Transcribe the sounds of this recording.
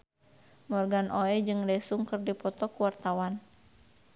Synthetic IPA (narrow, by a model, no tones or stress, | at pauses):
mɔrɡanʔoɛd͡ʒɨŋdɛsuŋkɨrdipɔt̪ɔkuwart̪awan